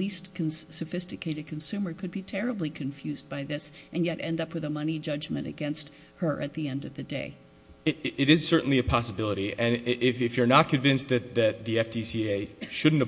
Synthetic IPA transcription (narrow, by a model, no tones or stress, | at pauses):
listkʰnsɨfɪstɨkʰeɪɾɨd̚kʰɨ̃n̩sʉmə˞kʰɨd̚bitʰɛɹɨblikʰɨ̃ɱfjʉzbaɪðɪsʔɨ̃njɛɾʔɛ̰̃ndʌpwɨðəmʌnid͡ʒʌd͡ʒmɨ̰̃ñtɨ̰ɡɛ̃nst̚ | hə˞ʔɨ̰t̪̚ðiɛ̃ndʌvðɨdeɪ | ɪɾɨz̥sɜ˞ʔn̩liɨpʰɑsəbɪlˠəɾiʔɨ̃nʔɪfɪfjə˞nət̚kʰɨ̃ɱvɪ̃nsðɨt̪̚ðɨt̪̚ðiɛfdisieɪʃʊdⁿn̩t